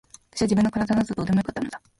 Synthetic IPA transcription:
at̪ḁɕiβad͡ʑibɯ̟nːokaɾad̪anazod̪oːd̪emojokat̪ːanod̪a

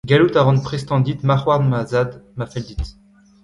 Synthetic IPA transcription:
ɡalut̪aʁɑ̃npχest̪ɑ̃d̪it̪maʁwaʁnmazad̪mafɛld̪it̪

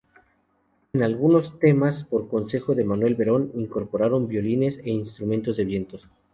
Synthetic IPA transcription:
enalɣuno̞st̪e̞maspo̞ɾko̞nse̞xo̞ðe̞manwe̞lβe̞ɾo̞niŋko̞ɾpo̞ɾaɾo̞mbjo̞line̞se̞inst̪ɾument̪o̞zðe̞βje̞nt̪o̞s

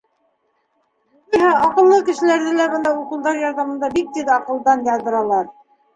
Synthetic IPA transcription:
ujɦɑʔɑqɤ̆lˠːɤkɘ̆ʃɘ̆læɾðɘlæbɤ̆nd̪ɑuqɤ̆lˠd̪ɑɾjɑɾðɑmɤ̆nd̪ɑbik̚t̪iðɑqɤ̆lˠd̪ɑnjɑðɤ̆ɾɑlˠɑɾ

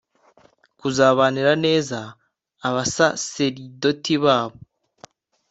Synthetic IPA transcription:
kuzaːβaniɾane̞ːzaː | βasase̞ɾido̞tiβaːβo

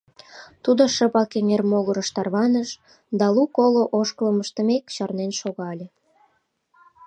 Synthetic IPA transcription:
t̪ud̪oʃəpɑkeŋermoɣəɾəʃt̪ɑrβɑnəʃ | d̪ɑlukoloʔoʃkələməʃt̪ə̆mekt͡ɕɑrnenʃoɣɑlʲe

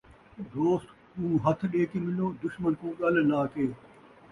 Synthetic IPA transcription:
d̪oːsʈ̪t̪ũːɦɐt̪ʰɗeːkimɪloːd̪ʊʃmənkũːɠɐlnaːkeː

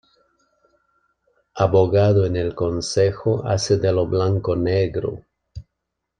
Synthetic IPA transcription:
aβoɣaðoenelkonsexoa̰sed̪eloβlaŋkoneɣɾo̰

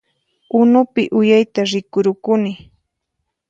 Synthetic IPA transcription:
ʊnʊpɪʔʊjajt̪aɾɪkʊɾʊkʊnɪ

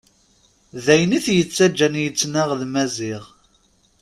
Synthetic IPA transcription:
ðæjniθjət͡sːæd͡ʒːænjət͡sːnaʁðmæziʁ

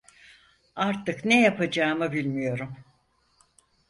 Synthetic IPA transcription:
aɾt̪ɯknejapad͡ʒaːmɯbilʲmijo̞ɾum

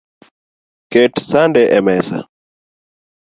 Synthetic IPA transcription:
kɛtsandɛʔɛmɛsa̰

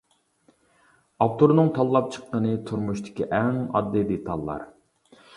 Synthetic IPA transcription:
ɑpt̪oɾnɨŋt̪ʰɑlˠːɑp̚t͡ʃʰə̥qːənɨt̪ʰuɾmuʃt̪ʰɪ̥kʲiʔɛŋɑ̰d̪ːɨd̪et̪ʰɑlˠːɑ̰ɾ

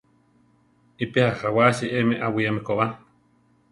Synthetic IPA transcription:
ipehahawaʃiʔemẽʔawiamekoβa

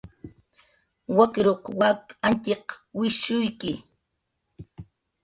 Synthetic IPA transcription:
wakɪɾoqwakant̪ɪqwɪʃʊjkɪ

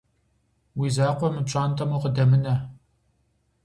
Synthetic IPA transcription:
wiːzaːqʷɔmɨpɕʼaːnt̪ʰʼɐmuqədɐmɨnɐ

